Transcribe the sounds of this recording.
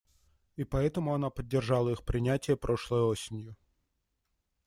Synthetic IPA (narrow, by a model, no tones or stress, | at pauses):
ipɐɛt̪əmʊɐnapədʲːɪrʐɑlˠəixpɾʲɪnʲætʲɪjəpɾʔo̞ʂlˠəjosʲɪnʲjʊ